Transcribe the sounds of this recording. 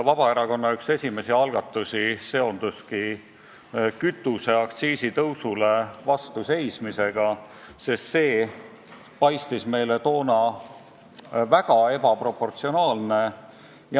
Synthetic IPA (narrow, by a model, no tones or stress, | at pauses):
vɑb̥ɑe̞ɾɑko̞nːɑykse̞sʲime̞siɑlɡ̥ɑt̪ːˑusise̞o̞nd̪̥uski | kyt̪ːˑuse̞ɑkt̪siːsit̪ɤwsule̞vɑst̪use̞jsmise̞ɡ̥ɑ | sest̪se̞ː | pɑjst̪isme̞jle̞t̪o̞ːnɑ | væɡ̥ɑe̞b̥ɑpro̞pːo̞rt̪sio̞nɑːlne̞ | j